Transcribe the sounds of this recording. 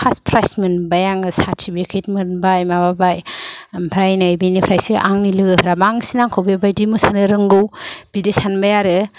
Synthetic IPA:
aspʰɾajsmɯnbajaŋsatʰibekʰet̚mɯnbajmababajpʰɾajnajbenipʰɾajsɯʔaŋnilɯɡɯpʰɾabaŋsinaŋkʰowbebajdimɯsanɯɾɯŋɡɯwb̥idesanbajaɾɯ

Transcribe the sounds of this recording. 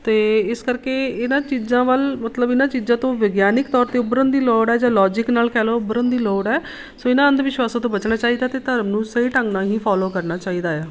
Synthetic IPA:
t̪eːɪskəɾkeːɪnãːt͡ʃiːzãːʋəlmət̪ləbɪnãːt͡ʃiːzãːt̪õːʋəɡjaːnɪkt̪ɔːɾt̪eːʊbɾənd̪iːlɔːɽɛːd͡ʒãːlɔːd͡ʒɪknaːlkɛːloːʊbəɾə̃nd̪iːloːɽɛː | soːɪnãːənd̪eʋɪʃwaːsãːt̪̬õːbət͡ʃnaːt͡ʃaːiːd̪aːt̪eːt̪əɾmnũːsəiːʈəŋɡnãːɦĩːpʰaːloːkəɾnaːt͡ʃaːiːd̪aːɛː

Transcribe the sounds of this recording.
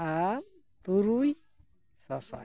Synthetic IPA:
a | t̪uɾuj | sasa̰

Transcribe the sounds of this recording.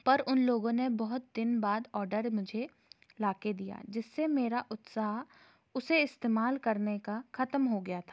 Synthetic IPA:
pɐɾʊnloːɡõnebɔɦʊt̪̚d̪ɪnbaːd̪ɔːɾɖəɾmʊd͡ʒʱe | laːked̪ija̰ːd͡ʒɪsːemeːɾaʔʊt̪saːɦ | ʊseɪst̪eːmaːlkɐɾnekaxɐt̪mɦoɡɐjat̪ʰaː

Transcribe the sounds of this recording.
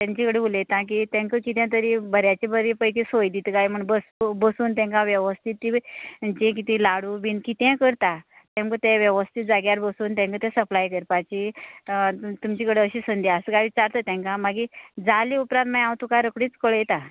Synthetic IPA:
t̪ãɲt͡ɕikəɽeuljt̪ãk̬it̪ɛ̃ŋkəkit̪ɛ̃t̪̬əɾibəɾjat͡ɕibʱəɾipəjkisojd̪it̪kajm̤əɳbəsubəsuːnt̪ɛ̃ŋkãʋjəʋəst̪ʰit̪ːit͡ɕĩk̬it̪ĩlaɽubiːnkit̪ɛ̃kəɾt̪a | t̪ɛ̃ŋkət̪ɛ̃ʋjəʋəst̪ʰit̪̚d͡zaɡjaɾbəsuːnt̪ɛ̃ŋkət̪ɛ̃səplajkəɾpat͡ɕi | t̪umt͡ɕikəɽeəɕisənd̪jasəkaʋit͡ɕaɾt̪ət̪ɛ̃ŋkãmaɡid͡zaliupɾãt̪majãwt̪ukaɾəkɽiːt͡skəɭəjt̪a

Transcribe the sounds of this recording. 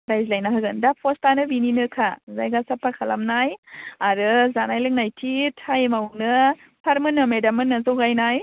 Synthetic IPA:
ɾajzlajnaɦɯɡɯndapʰostanɯbininɯkʰazajɡasapʰakʰala̰mnajaɾɯzanajlɯŋnajtʰitʰajmawnɯ | pʰaɾmɯnɯmedamɯnːɯzoɡajnaj

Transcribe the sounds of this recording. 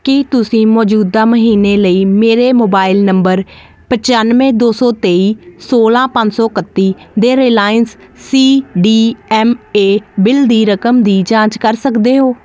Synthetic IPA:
kit̪ʊsĩːmɔːd͡ʒuːd̪aːməɦiːneːləiːmeːɾeːmoːbaːɪlnəmbəɾ | pət͡ʃaːnmẽːd̪oːsɔːt̪eːiːsoːlãːpə̃ɲd͡ʒsɔːkət̪ːiːd̪eːɾeːlaːjənsːiːɖiːɛːmeːbɪld̪iːɾəkəmd̪iːd͡ʒãːt͡ʃkəɾsəkd̪eːɦoː

